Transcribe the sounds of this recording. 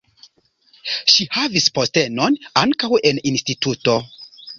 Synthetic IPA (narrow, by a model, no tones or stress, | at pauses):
ʃihavisposte̞no̞naŋkaweninstituto̞